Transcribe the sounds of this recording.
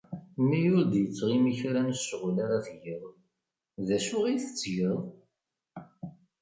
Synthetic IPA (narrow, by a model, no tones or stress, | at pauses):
mːijʊɾd̪jət͡sːʁimiçɾænsʃʁulaɾaθʝəðˤ | ðæʃʊʁiθə̥t͡sːʝəðˤ